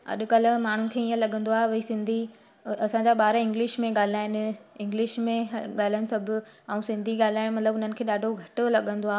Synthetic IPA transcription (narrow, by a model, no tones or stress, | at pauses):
ɐ̰ɗʊ̆kɐl̆maːɳ̤unɪ̆kʰeːiːə̃lɐɠə̃nd̪oaːɦeʋɐisɪ̃nd̪ʱi | ɐsãd͡ʑaɓaːɾaɪ̃ŋɡlɪʃmẽɠaːl̤aːɪnɪ̆ɪ̃ŋɡlɪʃmẽɠaːl̤ãnɪ̆sɐbʱʊ̆ɛ̃ũsɪ̃nd̪ʱiɠaːl̤aːɪɽ̃mɐt̪ləbʊn̤ənɪ̆kʰeːɗaːɖʱoɡʱɐʈʊlɐɠə̃nd̪oaːɦ